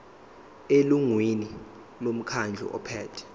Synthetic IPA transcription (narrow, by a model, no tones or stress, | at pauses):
eluŋwini | lom̩kʰand͡ɮʱɔ̰ʔɔ̰pʰɛːtʰɛ̥